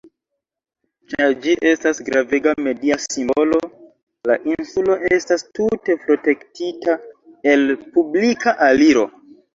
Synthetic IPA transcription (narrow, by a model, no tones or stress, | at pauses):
t͡ʃad͡ʒiʔe̞stasɡɾaveɡame̞diasimbo̞lo̞ | la̰ʔinsulo̞ʔestastute̞pɾo̞te̞ktita | e̞lpublikaʔaliɾo̞